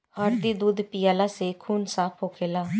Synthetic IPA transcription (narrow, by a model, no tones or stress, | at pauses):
haːɾt̪iːd̪uːd̪pɪjaːlaːseːkʰuːnsaːpʰɦoːkʰeːlaː